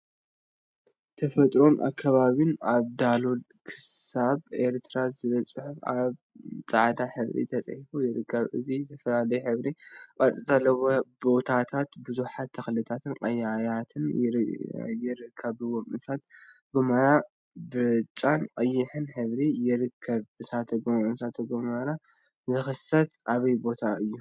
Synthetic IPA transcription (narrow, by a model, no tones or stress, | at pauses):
t̪ʰɐfɐt̪ʼɾo̞nʔa̰kʰːaβaβinaβd̪alod̪ | kʰɨ̥ssaβeɾt̪ʰɾazɨβɐt͡sʼɨħʊfaβ | t͡sʼaʕd̪aħɨβɾḭt̪ʰɐt͡sʼħifujɪɾɨkʰːɐβʔɨ̰zit̪ʰɐfɐlalɐjħɨβɾikʼaɾt͡s̪ʼizalːɐwobo̞t̪ʰat̪ʰat̪bɨzuħat̪ʰːɐxlɨt̪ʰat̪ʰɨnqʼɐjajat̪ʰɨn | jɪɾɨkʰːɐβɨwomʼɨsʰat̪ | ɡ̥umɐɾa | bɨɾt͡ʃʼanqʼɐjːɪħɨnħɨβɾijɪɾɨkʰːɐβɨsat̪ʰɐɡomʼɨnsat̪ʰɐɡumɐɾa | zɨxɨsɐt̪ʔaβɐjbo̞t̪ʰaɨjːu